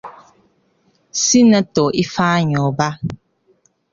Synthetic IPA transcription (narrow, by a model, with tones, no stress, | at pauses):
si˦nə˦to˨ʔi˦faː˦ɲɔ˨ba˦